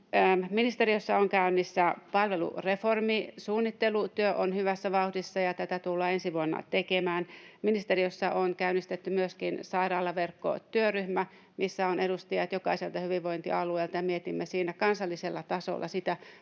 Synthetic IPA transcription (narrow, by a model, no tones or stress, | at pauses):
əminist̪erijosːɑoŋkæynːisːæpɑlʋelṵreformisuːnːit̪ːelut̪yøʔonhyʋæsːæʋɑuhdisːɑjɑt̪æt̪æt̪ulːɑːensiʋuonːɑ̰t̪ekemæːnminist̪erijosːɑʔonkæynːist̪et̪ːymyøskinsɑirɑːlːɑʋerkːo̰t̪yøryhmæ | misːæonʔedust̪ijɑt̪jokɑiselt̪ɑhyʋiʋʋoint̪ḭɑlueːlt̪ɑjɑmiet̪imːesiːnækɑnsɑlːiselːɑt̪ɑso̰lːʔɑ̰sit̪æ